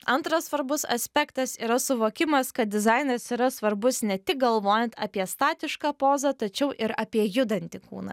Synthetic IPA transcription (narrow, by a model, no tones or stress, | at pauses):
ɐnt̪ɾɐssʋɐɾbʊsɐ̰sʲpʲɛkt̪ɐsiːɾɐsʊʋoːkʲɪmɐskɐt̪̚d̪ʲɪzɐɪnɐsiːɾɐsʋɐɾbʊsnʲɛt̪ʲɪk̚ɡɐlˠʋoːjɛnt̪ɐːpʲiɛst̪ɑːt̪ʲɪʃkɑːpoːzɐt̪ɐt͡ʃʲɛʊʔɪɾɐpʲiɛjʊd̪ɐnʲt̪ʲɪkṵːnɐ̰